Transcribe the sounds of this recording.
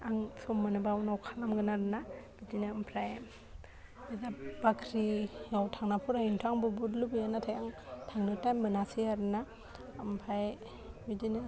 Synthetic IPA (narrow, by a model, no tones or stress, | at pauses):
aŋsɔmːanɯbawnawkʰalamɡɯnaɾɯnab̥idinɯmpʰɾaj | bidabakʰɾijawtʰaŋnapʰuɾajintʰaŋbubudlubɯjanatʰajaŋtʰaŋnɯtajmbɯnasiaɾnaː | mpʰɾaj | bidinɯ